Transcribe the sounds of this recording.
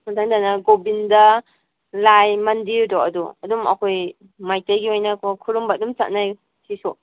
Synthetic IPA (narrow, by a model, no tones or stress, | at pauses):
matʰaŋdanɐɡobindɐ | lajmɐndiɾdɔɐdṵɐdumɐ̰kʰoj | majtajɡiojnɐkokʰuɾumbadumt͡ʃat̚naj | sisɔʔ